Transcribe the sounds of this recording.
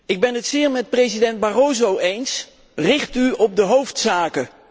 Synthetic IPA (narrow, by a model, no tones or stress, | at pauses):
ɪɡ̚bɛnətsɪːɹmɛt̚prejzidɛnd̚barowzowejns | rɪχtyɔb̚dəɦowftsaːkə